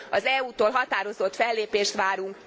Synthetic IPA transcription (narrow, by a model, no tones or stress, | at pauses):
ɒzɛuːt̪oːlɦɒt̪aːɾo̞zo̞t̪fɛlːeːpeːʃt̪ʋaːɾuŋk